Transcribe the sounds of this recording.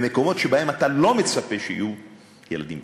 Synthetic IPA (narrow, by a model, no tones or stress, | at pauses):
meko̞mo̞tʃebahe̞matalo̞met͡sape̞ʃeḭju | jḛla̰dimb